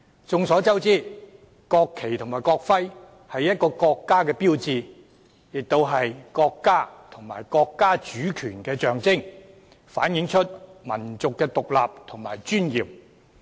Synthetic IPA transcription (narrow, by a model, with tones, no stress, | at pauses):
t͡sʊ˨˧ŋsɔː˨˥t͡sɐ˥wt͡siː˥˩ | kɔː˧kʰːe˨˩jt̪ʰʊ˨˩ŋmaː˨˩jkɔː˧k̚fɐ˥j | hɐ˨jɐ˥t̚kɔː˧kɔː˧kːaː˥kɛː˧piː˥wt͡siː˧ | jɪ˨k̚t̪o˧wɦɐ˨jkɔː˧kːaː˥t̪ʰʊ˨˩ŋmaː˨˩jkɔː˧kːaː˥t͡ʃyː˨˥kʰyː˨˩nkɛː˧t͡ʃœː˨ŋt͡sɪ˥ŋ | fa̰ː˨˥njɪ˨˥ŋt͡ʃʰɵ˥t̚mɐ˨˩nt͡sʊ˨kːɛː˧t̪ʊ˨k̚la̰ː˨p̚t̪ʰʊ˨˩ŋma̰ː˨˩jt͡ʃyː˥njiː˨p̚